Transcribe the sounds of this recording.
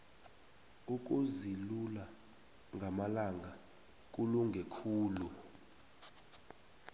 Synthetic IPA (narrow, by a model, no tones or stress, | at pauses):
uk̬uzilula | ŋʱamalaŋɡa | k̬ʼuluŋɡʱekʰuːlu